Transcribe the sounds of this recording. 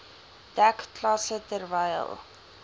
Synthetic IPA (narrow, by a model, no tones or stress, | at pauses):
d̥ækklɑsətərvɛjə̰lˠ